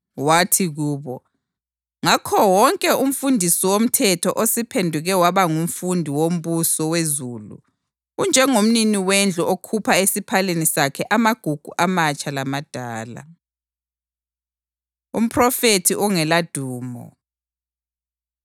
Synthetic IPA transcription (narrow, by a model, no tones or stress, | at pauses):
watʰiɣuːβɔ | ŋakʰɔwɔŋkʼɛum̩fundʱisiwom̩tʰɛtʰɔʔosipʰendʱuɣɛwaβaŋum̩fundʱiwom̩βusɔwezulṵ | und͡ʒʱɛŋom̩niniwɛnd͡ɮʱɔʔokʰupʰaesipʰalenisakʰɛʔamaɡ̥ʱuɡ̥ʱṵʔamat͡ʃʼalamad̥ʱaːla̰ | ṵm̩pʰrɔfetʰiʔɔŋɛlad̥ʱuːmɔ̰